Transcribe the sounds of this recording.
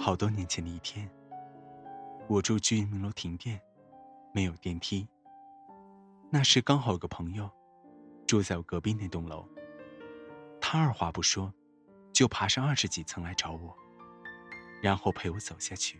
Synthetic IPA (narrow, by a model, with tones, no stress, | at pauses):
xɑ˨˩ʊt̪wɔ˥njɛ˧˥nt͡ɕʰjɛ˧˥nd̪ə˧i˥˩p̪ʰjɛ˥n | wɔ˨˩ʈ͡ʂu˥˧ʊt͡ɕy˥˧y˧˥nmi˧˥ŋlo˧˥ʊt̪ʰi˧˥ŋt̪jɛ˥˩n | me˧˥ɪjo˨˩ʊt̪jɛ˥˩nt̪ʰi˥ | na˥˧ʂɻ̩˥˩kɑ˥ŋxɑ˨˩ʊi˧˥ɡə˧pʰɤ˧˥ŋjo˥˧ʊ | ʈ͡ʂjo˥˧t͡sa˥˩ɪwɔ˨˩kɤ˧˥pi˥ŋne˥˩ɪt̪ʊ˥˩ŋlo˧˥ʊ | t̪ʰa˥ə˞˥˩xwa˧˥pu˧˥˩ʂwɔ˥ | t͡ɕjo˥˩ʊpʰa˧˥ʂɑ˥˧ŋɐ˞˥˩ʂɻ̩˧˥t͡ɕi˨˩t͡sʰɤ˧˥ŋla˧˥ɪʈ͡ʂɑ˧˥ʊwɔ˨˩˦ | ɻa˧˥nxo˥˩ʊpʰe˧˥ɪwɔ˧˥t͡so˨˩ʊɕja˥˩t͡ɕʰy˥˩